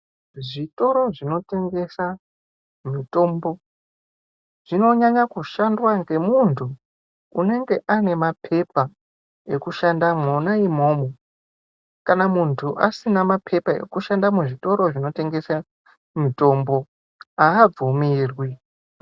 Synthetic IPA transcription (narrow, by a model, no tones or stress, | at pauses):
ʐito̞ɾo̞ʐino̞te̞ŋɡe̞sa | mito̞mbo̞ | ʐ̥ino̞ɲaɲakuʃandwaŋɡe̞muntʰuː | ne̞ŋɡe̞ʔane̞mapʰe̞p̚a | e̞kuʃandamwonaimo̞ːmo | kanamuntʰuʔa̰sinamapʰe̞pae̞̰kuʃandamuʐito̞ɾo̞ʐino̞te̞ŋɡe̞sa | mito̞mbo̞ | aːb͡vumirwi